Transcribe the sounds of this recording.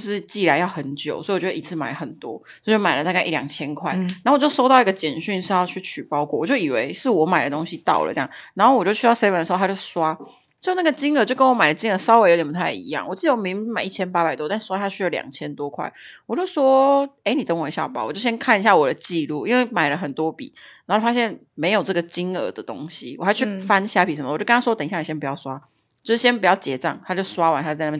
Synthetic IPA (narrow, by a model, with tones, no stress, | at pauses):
ʂɻ̩˥˧t͡ɕi˥˩la˧˥ɪjɑ˥˩ʊxə˧˦nt͡ɕjo˨˩ʊswɔ˧˥i˥˧˨t͡ɕdə˧i˧˥t͡s̩ʰ˥˩ma̰˨˩ɪə˦xə˨˩nt̪wɔ̰˦swɔ˧˥i˥˩t͡ɕo˥˩m˨˩ə˨t̪a˥ka˥˩ʔi˥˩ljɑ̰˨˩ŋt͡ɕʰjɛ˥nkʰwa˥˩ɪna˨˥˨t͡ɕo˥˩ʊʂo˥ʊt̪ɑ˥˩ʊi˥ɡə˧t͡ɕjɛ˨˩nɕy˥˧nʂɻ̩˥˧jɑ˥˧ʊt͡ɕʰy˥˩t͡ɕʰy˨˩pɑ˥ʊkwɔ˥˩˨t͡ɕjo˥˩ʊi˨˩we˧˦ɪʂɻ̩˥˩˨wɔ˧˥ma̰˨˩ɪd̪ə˩t̪o˥ŋɕi˧t̪ɑ̰˥˩ʊlə̰˩ɤ˥jɑ̰˥˩ŋna˧nxo˥˩wɔ˨˩t͡ɕjo˥˧t͡ɕʰy˥ɑ˥˩se˥wə˧˩nə˩˧˥o˥˧˩t͡ɕjo˥˩ʊswa˥ | t͡ɕ̩˥˧jo˥˩˦na˥˩ɡə˩t͡ɕi˥ŋə˧˦t͡ɕjo˥˩ʊkə˥nwɔ˧˥ma˨˩ɪdə˩t͡ɕi˥ŋə˧˦sɑ˥ʊwe˧˥jo˧˥t̪ʲjɛ˨˩p̪̚u˥t̪ʰa˥˩ɪḭ˧˦jɑ̰˥˩ŋwɔ˨˩t͡ɕi˥˩ə˧˩o˥mi˧˥ŋma˨˩˦i˥˩t͡ɕʰjɛ˥npa˧˥a˨˩ɪt̪wɔ˥t̪a˥˧nʂ̩˥wa˥tʰa˥˧t͡ɕʰy˥jɑ˥˩ljɑ̰˨˩ŋt͡ɕʰjɛ˥nt̪wɔ˥kʰwa̰˥˩ɪwɔ˨˩t͡ɕjo˥ʊswɔ˥e˥˩ɪni˨˩t̪ə˥ŋwə˧˥nɕjɑ̰˥˨˩pa̰˨˩wɔ˨˩t͡ɕjo˥˩ɕjɛ˥nkʰa˥˩ni˨˩ɕja˥˩wɔ˨˩d̪ə˩t͡ɕi˥˧lu˥˩i˥˦nwe˥˩ɪma˨˩ɪlə˦xə˨˩nt̪wɔ˥pḭ˨˩˦na˨˧˥o˥˩fa˥ɕjɛ˥˩n | me˧˥ɪjo˨˩ʊʈ͡ʂɤ˥˩ɡə˩t͡ɕi˥ŋə̰˧˥d̪ə˨t̪o̰˦˥ŋɕi˦wɔ̰˨xa˧˥ɪ˥t͡ɕʰy˩˥fa˦nɕja˥pʰi˨˥˩ə˨˧˦m˦˧˨o˥˧˥wt̪ə˨˧˥ɕa˥ni˨˩ɕɛ˥pu˧˩jɑ˥˩ʊswa˦ | t͡ɕjo˥˧ʂ̩˥˩ɕjɛ˥npu˨˩t͡ɕjɑ˥˩ʊt͡ɕjɛ˧˥t͡sɑ̰˥˩ŋt̪ʰa˥t͡ɕjo˥˩ʊswa˥wa˧˦nt̪a˧˥˧a˥˧na˥˩˥